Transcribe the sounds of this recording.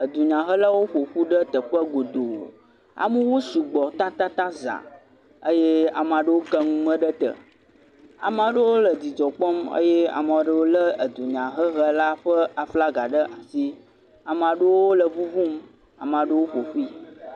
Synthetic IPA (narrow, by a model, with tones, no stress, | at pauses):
ə˨d̪u˨ɲã˨ɦə˦la˦wo˦ɸo˨ɸu˦ɖə˦t̪ə˨ɸə˦ɡo˨d̪o̰˨ | a̰˨mũ˦wu˦su˨ɡ͡bɔ˨t̪ã˦t̪a˦t̪ã˦za̰˨ | ə˦je˦a̰˨m˨ã˨ɖə˦wo˦ɡə˦ŋũ˦mə̃˦ɖə˦t̪ə̰˨ | a̰˨m˦a˨ɖə˦wo˦lə˨d͡ʑi˨d͡ʒɔ˨k͡pɔ˦mə̰˦jɛ˦a̰˨m˨a˨ɖə˦wo˦lə˦ə˨d̪u˨ɲã˨ɦə˦ɦə˦la˦ɸə˦a˨fla˦ɡa˨ɖə˦ʔa˨si˦ | a˨m˨ã˨ɖə˦wo˦lə˨vu˦vu˦m | a̰˨m˨ã˨ɖə˦wo˦ɸo˨ɸu˦i˦